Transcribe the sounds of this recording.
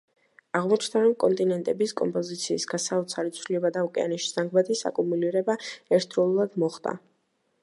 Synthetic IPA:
aʁmɔt͡ʃʰnd̪aɾɔmkʼɔnt̪ʼinɛnt̪ʼɛbiskʼɔmpʼɔzit̪sʰiːsɡasaut̪sʰalit̪sʰvliɛbad̪aukʼɛa̰nɛʃi̥z̥aŋɡmat̪ʰʼisa̰kʼumuliɾɛbaɛɾt̪ʰɾɔlˠulˠad̪mɔχd̪a̰

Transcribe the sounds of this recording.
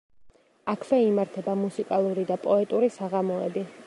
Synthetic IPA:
akʰvɛimaɾt̪ʰɛbamusikʼalˠuɾid̪apʼɔɛt̪ʼuɾisaʁamɔɛbi

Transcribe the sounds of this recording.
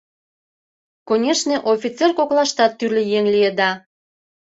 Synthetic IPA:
konʲeʃneʔofʲit͡serkoklɑʃt̪ɑt̪ːyrlʲejeŋlijed̪ɑ

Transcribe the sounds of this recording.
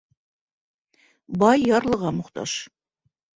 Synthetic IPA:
bɑjːɑɾlˠɤ̆ʁɑmŏqt̪ɑ̰ʃ

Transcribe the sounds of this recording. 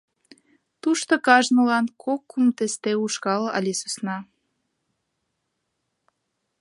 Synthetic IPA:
t̪uʃt̪okɑʒnəlɑnkʰokːumt̪est̪euʃkɑlʔɑ̰lʲesusnɑ

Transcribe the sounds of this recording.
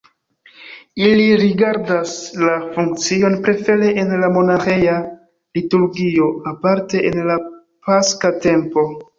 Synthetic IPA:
iliɾiɡaɾdaslafuŋk̚t͡sio̞npɾe̞fe̞ɾe̞ʔenlamo̞naxeja | lituɾɡio̞apaɾte̞ʔenla | paskate̞mpo̞

